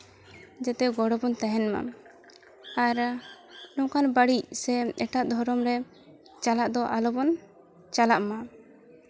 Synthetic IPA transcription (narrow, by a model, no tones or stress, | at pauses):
d͡ʒɛt̪ɛɡɔɽɔbɔnt̪aɦɛnma̰ | aɾ | lɔkanbaɽicsɛɛʈaʔd̪ʱɔɾɔmɾɛ | t͡ʃalaʔd̪ɔʔalɔbɔn | t͡ʃalaʔma